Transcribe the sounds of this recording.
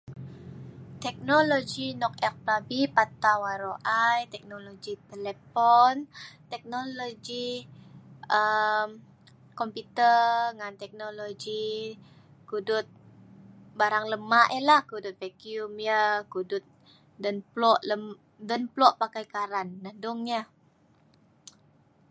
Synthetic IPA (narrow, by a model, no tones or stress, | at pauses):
t̪ɛk̚nolod͡ʒinɔk̚ɛk̚plabipat̪awaɾoʔajt̪ɛk̚noloɡit̪elepɔnt̪ɛk̚noloɡi | ʔəm | kɔmput̪ərŋant̪ɛk̚noloɡi | kudʊt̪̚ | baɾaŋləmaʔjəlahkudʊt̪̚vekiumjəkudʊt̪̚ | dənplɔʔləm | dənplɔʔpakajkaɾanːahdʊŋjə